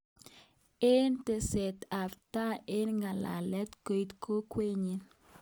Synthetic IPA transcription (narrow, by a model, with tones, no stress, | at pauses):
ɪ˦nte˨sɛ˨t̪a˨fta˦ɪ˦nŋɡa˨la̰˨lɛ˦t̪ko˨jt̪kʰo˦kwe˦ɲi˦